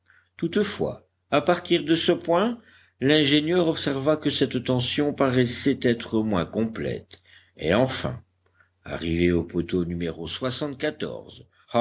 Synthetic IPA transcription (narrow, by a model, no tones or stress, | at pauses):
t̪ut̪fwa̰ | apaʁt̪iʁd̪əsəpwɛ̃ | lɛ̃ʒenjœʁɔpsɛʁvakəsɛt̪ːɑ̃sjɔ̃paʁɛsɛt̪ɛt̪χəmwɛ̃kɔ̃plɛ̰t̪ | ḛɑ̃fɛ̰̃ | a̰ʁiveopot̪onymeʁoswasɑ̃t̪̚kat̪ɔ̰ʁz